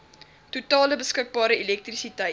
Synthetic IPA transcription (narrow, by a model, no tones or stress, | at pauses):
tutɑːləbəskək̚bɑːɾəilɛk̚trisitə